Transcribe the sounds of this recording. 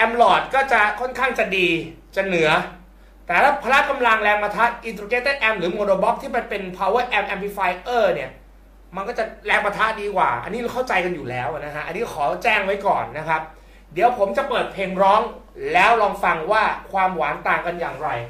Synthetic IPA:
ʔɛ˧mlɔː˨˩t̪̚kɔː˥˩t͡ɕa˨˩kʰɔ˥˩nkʰaː˥˩ŋt͡ɕa˨˩diː˧ | t͡ɕa˨˩nɯ˩˦ɐ | t̪ɛː˨˩t̪ʰaː˥˩pʰaː˧ɾa˦˥ka˧mla˧ŋlɛː˧ŋpa˧t̪ʰa˦˥ʔ̪̚ʔi˧nt̪ɾuː˧ke˦˥t̪ːe˥˩nʔɛ˧mɾɯː˩˦moː˧doː˧bɔ˦˥p̚t̪ʰiː˥˩pa˧jpe˧npʰa˧wɤː˦˥˩ʔɛ˧mʔɛ˧mpʰi˦˥faː˧jʔɤː˥˩ni˦˥˩ɐ | ma˧nkɔː˥˩t͡ɕa˨˩lɛː˧ŋpa˧t̪ʰa˦˥t̪̚diː˧kwa̰ː˨˩ʔa̰˧nːiː˦˥lːkʰa˥˩wt͡ɕa˧jka˧njuː˨˩lɛː˦˥wna˦˥kʰa˦˥ʔa˧nːiː˦˥kɔ˥˩kʰɔː˩˦t͡ɕɛː˥˩ŋwa˦˥jkɔː˨˩nːa˦˥kʰa˦˥p̚ | di˨˩˦wpʰo˩˦mt͡ɕa˨˩pɤː˨˩t̪̚pʰeː˧ŋɾɔː˦˥ŋ | lɛː˦˥wlɔː˧ŋfa˧ŋwaː˥˩kʰwaː˧mwa̰ː˩˦nt̪aː˨ŋka˧nja̰ː˨˩ŋɾa˧j

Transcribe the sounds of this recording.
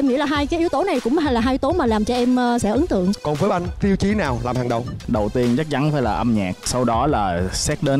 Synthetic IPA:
ʔɛ˧mŋḭ˧˥laː˨˩ɦaː˧jkaː˨˦jʔi˨˦əwt̪o˨˦na˨˩jkʊ̰˧˥ŋ͡mha˧jlaː˨˩ɦaː˧jt̪o˨˦maː˨˩laː˨˩mt͡ɕɔ˧ʔɛ˧m˧sɛ̰˧˥ʔɨ˨˦ŋt̪ɨ̰˧˨əŋkɔ˨˩nvəː˨˦jʔa˧ŋ̟t̪i˧əwt͡ɕi˨˦naː˨˩wlaː˨˩mhaː˨˩ŋɗə˨˩wŋ͡mɗə˨˩wt̪i˧ənt͡ɕa˦˥t̚t͡ɕa˨˦nfaː˧˩jlaː˨˩ʔə˧mɲaː˨˩k̚sa˧wɗɔ˨˦laː˨˩sɛ˦˥t̚ɗe˨˦n

